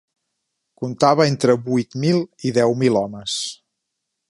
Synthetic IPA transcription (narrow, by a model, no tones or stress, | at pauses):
kunt̪aβəent̪ɾəβujt̪milˠiðɛwmilɔməs